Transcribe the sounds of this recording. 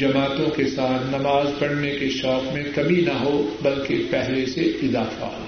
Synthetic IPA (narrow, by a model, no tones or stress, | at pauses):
d͡ʒɐmaːt̪õkesaːt̪ʰnɐmaːzpɐɽnekeʃɔːkmẽkɐminɐɦobɐlkepɛɦleseɪzaːfa̰ɦo̰ː